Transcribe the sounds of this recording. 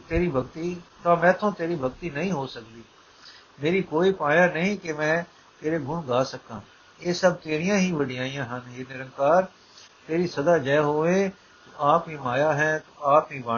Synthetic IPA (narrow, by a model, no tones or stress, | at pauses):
t̪eːɾiːbʱəɡt̪iːt̪aːmɛ̃ːt̪ʰõːt̪eːɾiːbʱəɡt̪iːnɐɦĩɦoːsəkd̪iː | meːɾikoːiːpãːjãːnəɦĩkemɛ̃ː | t̪eːɾeɡʱũːnɡaːsəkãː | eːsəb̚t̪eːɾijãːɦiʋəɽɪjãːijãːɦənɦeːnɪɾə̃ŋkaːɾ | t̪eːɾiːsɐd̪aːd͡ʒɛːɦoːʋeː | t̪oʔaːpɦĩːmaːjaːɦɛ̃ːt̪oaːpɦĩːbaː